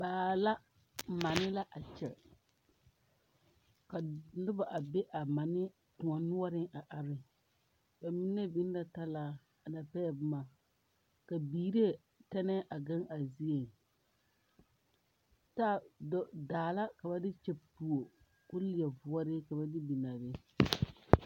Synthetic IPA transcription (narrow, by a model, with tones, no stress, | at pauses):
baː˨la˦ | ma˨nɪ˦la˦ʔa˨t͡ʃɛ˨ | ka˨nʊ˦ba˨ʔa˨be˦ʔa˨ma˨nɪ˦ | tʊ̃˨ɔ˨nʊ˦ɔ˦ɾɪ˦ŋʔa˨ʔa˨ɾɪ˦ | ba˨mi˦ne˦bi˦n˦da˦ta˦laː˦ | a˨na˨pɛ˦˨bʊ˦ma˨ | ka˨biː˨ɾe˦ | ta˦nɛ˦ʔa˨ɡa˦ŋa˨zi˦e˨ | taː˦˨ddaː˨la˦ka˨ba˦dɪ˦t͡ʃɛ˦pu˨o˨ | kʊ˦lɪ˨ɛ˨vʊ˨ɔ˦ɾɪ˦ka˨ba˦dɪ˦bi˨na˨ɾɪ˦